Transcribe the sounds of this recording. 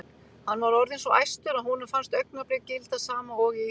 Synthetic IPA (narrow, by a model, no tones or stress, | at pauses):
hanːvaɾɔɾðensɔʔa̰jst̪ʏɾaðhunafanst̪œɥk̚napɾɪcɪlt̪asaːmaɔɣɪ